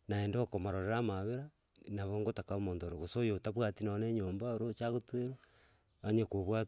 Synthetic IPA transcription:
naendeokomaɾoɾeɾamaβeɾa | naβoŋɡotakaomoːndoɾoɣosojotaβwatinaneːɲoːmbaoɾot͡ʃaɣotweɾo | aɲekoβwa

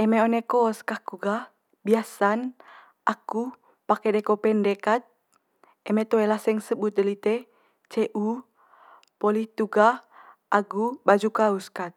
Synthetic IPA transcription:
ɛmeonekoːskahkuɡah | biasan | ʔaku | pakɛdɛkopɛndɛkat̪̚ | ɛmɛt̪oɛlahsɛŋsəbut̪̚dəlit̪ɛ | t͡ʃeʔu | poliht̪uɡah | ʔaɡubad͡ʒukauskat̪̚

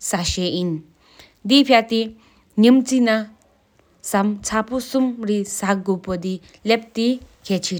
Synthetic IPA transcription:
saɕein | d̪ipʰjat̪i | ɲimt͡sina | samt͡sʰapusumɾisakɡopɔd̪i | lep̚t̪ikʰet͡ɕʰi

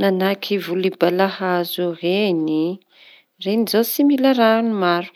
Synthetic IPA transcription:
nanakʰivulibalahazuɦeni | renizasimilaɾanimaɾu̥

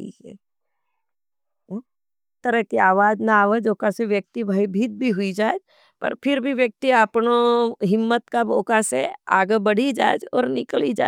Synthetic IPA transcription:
ḭɛ̰ | t̪ːəɾəɦkiaːʋaːd͡ʒnaːʋəd͡ʒoːkaseʋjək̚t̪ibʱəibʱit̪̚bʱiɦʊid͡ʒaːed͡ʒ | pɐ̰ɾpʰɪɾbʱiʋjək̚t̪iapnoɦɪmːət̪kaboːkasea̰ːɡəbɐɽ̤id͡ʒa̰ːd͡ʒɔ̰ːɾnɪkəlid͡ʒa̰ː

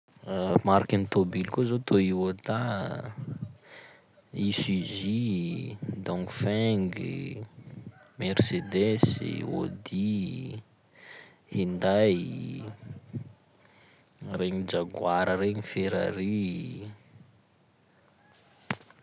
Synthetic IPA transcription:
maɾakint̪obilkuzot̪ʰoiwot̪a | isizi | d̪ɔ̃ŋfɛŋɡḭ | mersed̪esḭo̰d̪i | hind̪aj | reɲid͡ʒaɡwaɾəɾeɲifeɾaɾi

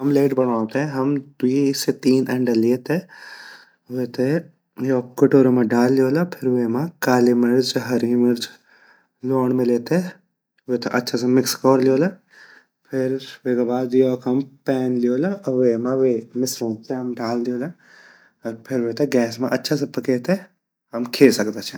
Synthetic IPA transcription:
ɦɐmleːʈbɐɽãːt̪eɦɛ̃ɦɐmd̪iːset̪iːnɐɳɖɐliet̪e | ʋet̪e | joːkkoʈoːɾomãɖaːlːijoːlapʰɪɾʋeːmãkaːlimɐɾd͡ʒɦɐɾimɐɾd͡ʒ | loːɳmẽleːt̪e | ʋet̪eʔɐtːʃʰasãmɪkskɔːɾlijoːlɐ | pʰɪɾʋeːkabaːd̪joːkɐmpɛːnlijoːlaʋeːmãʋeːmɪsɾõːt̪eɦɐmɖaːld̪ijoːla | ɾpʰɪɾʋet̪eɡɛːsmã̰ʔɐtːʃʰas̬ɐ̃pɐkeːt̪e | ɐmkʰeːsɐkd̪at͡ʃʰa

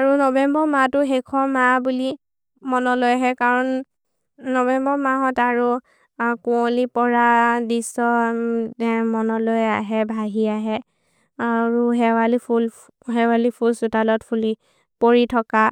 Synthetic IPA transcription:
aɹunɔbɛmbɔmatʊɦekʰɔmabuli | mɔnɔlojaɦɛkaɹɔnː | ɔbɛmbɔmaɦɔtaɹu | kũolipɔɹadisɔ | mɔnɔlojaɦɛbʱaɦiaɦɛ | aɹuɦɛwalipʰul | ɦɛwalipʰulsutalɔtpʰuli | poɹitʰɔka

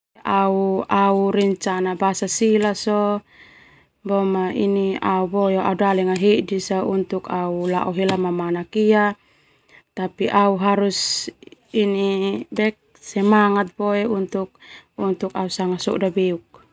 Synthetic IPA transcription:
ʔauauɾɛɲt͡ʃanabasasilaso | bɔmaḭniauboeaudalɛŋaɦedisaunt̪ukaula̰ʔɔɦelamamanakia | t̪apiʔauɦaɾus | inibɛk̚sɛmaŋat̪̚boeunt̪uk̚unt̪ukausaŋasɔ̰ʔdabeuk̚

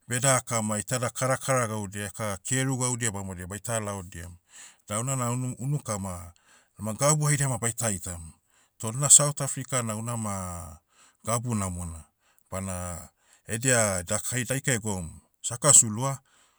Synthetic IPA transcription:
be̞dakamajtadakʰaɾakʰaɾaɡawdiakakʰeɾuɡawdiabamodiabajtalaodia̰mdawnanauunukama | amaɡabuhajdiamabajtajtam | todunasawtafɾikanawnama | ɡ̥abunamona | b̥ana | edeadakʰajdajkaeɡo̞m | sakasulua

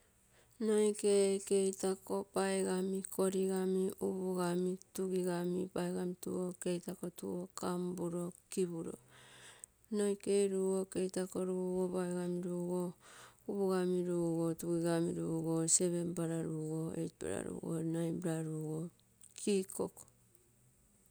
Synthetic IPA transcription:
no̞jkeke̞jtako̞paeɡamikʰo̞ɾiɡamiuβuɡamituɡiɡamipaeɡamitṵoke̞jtako̞tṵokambuɾo̞kibuɾo̞̰ | nojke̞jɾuɡoke̞jtako̞ɾuːɡopaeɡamiɾuɡouβuɡamiɾuɡo̞tuɡiɡamiɾuːɡo̞se̞βe̞mpaɾaɾuɡo̞ḛtpa̰ɾa̰ɾṵːɡo̰najbɾaɾuɡo | kʰikoko̥

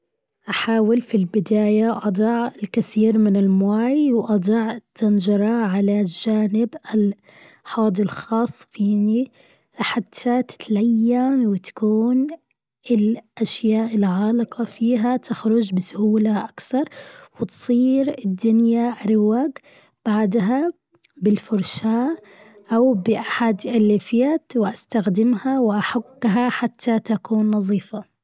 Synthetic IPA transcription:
ʔaħaːwɪlfilbɪd̪aːjaʔɑd̪ˤɑʕɪlkaθiːɾmɪnɪlmʊwaːjwʔɑd̪ˤɑʕt̪ʰːɪnd͡ʒɑɾˤɑʕalad͡ʒaːnɪbɪl | ħɑːd̪ˤɪlxɑːsˤːfiːni | ħat̪ʰːat̪ɪ̥t̪lajːanwɪt̪ḁkuːn | ɪlʔaʃjaːʔɪlʕaːlɪqɑfiːɦat̪ʰɪxɾʊd͡ʒbɪsʊhuːlaʔakθɑɾˤwɪt̪sˤiːɾɪd̪ːʊnjaʔɾɪwaːɡ | b̥aʕd̪ɦa | bɪlfʊɾʃaːʔ | ʔawbɪʔaħad̪ʔɪlːifiat̪wʔast̪axd̪ɪmhawɪʔaħaɡːɦaħat̪ʰːat̪akuːnːɑðˤiːfa

